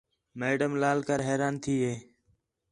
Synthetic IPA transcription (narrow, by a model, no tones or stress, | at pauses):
meːɖəmlaːlkəɾɦeːɾaːnt̪ʰiːɦeː